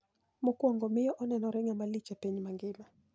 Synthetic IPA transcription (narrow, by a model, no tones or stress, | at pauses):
mɔkuaŋɡɔmijɔʔɔnanɔɾɛŋamalit͡ʃapɛɲimaŋɡima